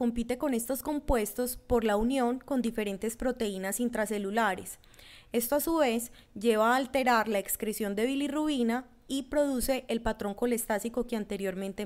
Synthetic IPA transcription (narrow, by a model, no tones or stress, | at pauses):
ko̞mpit̪e̞ko̞ne̞st̪o̞sko̞mpwe̞st̪o̞spo̞ɾlaunjo̞ŋko̞nd̪ife̞ɾe̞nt̪e̞spɾo̞t̪e̞inasint̪ɾase̞lulaɾe̞s | e̞st̪oasuβe̞s | d͡ʒe̞βaːlt̪e̞ɾaɾlaekskɾesjo̞nd̪e̞βiliruβina | ipɾo̞ðuse̞ʔeːlpat̪ɾo̞ŋko̞le̞st̪asiko̞keant̪e̞ɾjo̞ɾmẽ̞nt̪e